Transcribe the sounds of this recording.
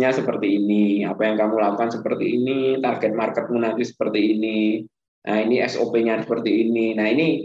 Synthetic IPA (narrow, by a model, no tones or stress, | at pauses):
ɲasəpərt̪iːnia̰pajaŋkamulaukansəpərt̪iːnit̪arɡɛt̪̚markət̪̚munant̪isə̥pərt̪iːni | nainiɛsopeɲasəpərt̪iːninaini